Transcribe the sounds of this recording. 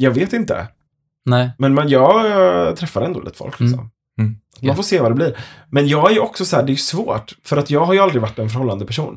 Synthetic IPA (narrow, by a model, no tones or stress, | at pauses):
jɑːɡveːt̪ɪnt̪ə̰ | nɛmɛnmɛnjɑːɡt̪ʰɾɛfːaɾɛnd̪o̰ːḭːt̪əfɔ̰lkʰlɪkksɔ̰m | at̪manfoːʂeːvadɛbliːɾmɛnjɑːɡæɾjɵɔksɔsɔæːɖɛːjʉsvo̰ːʈfœɾat̪jɑːɡɦaɾjɵald̪ɾɪɡvaʈːɛnfœɾhɔlːand̪əpʰæʂuːn